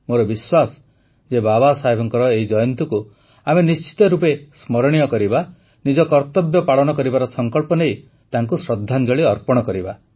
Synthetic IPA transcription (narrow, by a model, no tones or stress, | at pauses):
moɾɔbiswasɔ̥ | d͡ʒebabasaɦebʱɔŋkɔɾɔeɦid͡ʒɔjɔnt̪uku | amenist͡ʃi̥t̪ɔɾupesmɔɾɽ̃ijɔkɔɾiba | nid͡ʒɔkɔɾt̪ɔbjɔpaɭɔnɔkɔɾibaɾɔsɔŋkɔɭpɔnej | t̪aŋkusɾɔd̪ʱːand͡ʒɔɭiɔɾpɔɽ̃ɔkɔɾiba